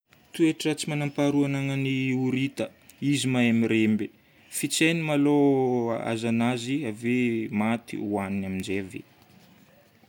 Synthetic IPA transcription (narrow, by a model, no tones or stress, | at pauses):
t̪ueʈ͡ʂət͡simanampaɾuananəniuɾit̪ə | izimajamiɾembe | fit͡sajnimaloa̰zanaziavemat̪ḭuaninamind͡ʒeavḛ